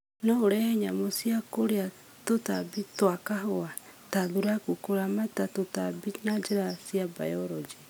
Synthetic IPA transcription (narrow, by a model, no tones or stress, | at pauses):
nɔoɾɛhɛɲamosiakoɾea | totabitwakahoataðuɾakukoɾamatatotabinad͡ʒeɾasiaba̰jɔɾɔd͡ʒe